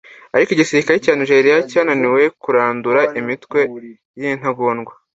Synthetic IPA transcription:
aɾikoiɟisiɾikaɾicaːniʒe̞ːɾijacaːnaniwe̞kuɾaːnduɾaʔimitwe̞ | jin̥haɡoːnɡwa

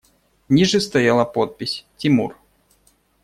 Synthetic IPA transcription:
nʲiʐɨst̪ɐjalˠəpot̪̚pʲɪsʲtʲɪmur

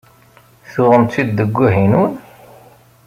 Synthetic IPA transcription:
θʊʁəmid̪ːəɡʷːuɦinun

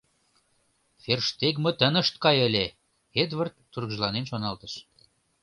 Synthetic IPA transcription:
ferʃt̪ekmŏt̪ə̆nə̆ʃt̪kɑjəlʲe | ed̪βərt̪ːuɾɣʒlɑnenʃonɑlt̪əʃ

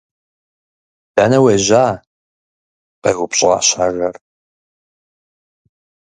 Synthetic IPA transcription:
d̥aːnɐweʑaː | qɐɣʷʊpɕʼʁɑ̰ːɕaːɣɐr

